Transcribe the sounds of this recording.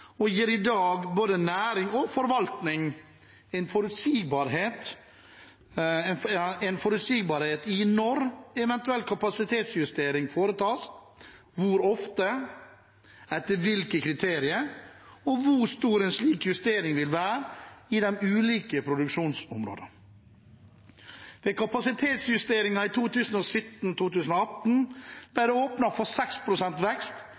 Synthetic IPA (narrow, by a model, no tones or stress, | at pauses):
ɔjiːɾɪd̪ɑːɡboːd̪ənæːɾɪŋɔfɔɾʋɑlt̪nɪŋ | ɛnfɔɾʉt̪siːɡbɑɾheːt̪ | ɛnfɔɾʉt̪siːɡbɑːɾheːt̪ɪnɔɾɛʋɛnt̪ʉɛlkʰɑpɑsɪt̪ʰeːt̪sjʉst̪eːɾɪŋfoːɾət̪ʰɑːs | ʋʊɾɔft̪ə | ɛt̪ːəʋɪlkəkʰɾɪt̪ʰeːɾɪəɾɔʋʊɾst̪uːɾɛnsliːkjʉst̪eːɾɪŋʋɪlʋæːɾɪd̪ɛmʉːliːkəpʰɾʊd̪ʉkʂuːnsʊmɾo̰ːd̪ə | d̪ɛkʰɑpɑsɪt̪ʰeːt̪sjʉst̪eːɾɪŋɑit̪ʰuːt̪ʰʉːsən̩ɔsʏt̪ːn̩t̪ʰuːt̪ʉːsn̩ɔɑt̪n̩d̪æd̪ɛoːpnɑfɔɾsɛkspʰɾʊsɛnt̪ʋɛkst̪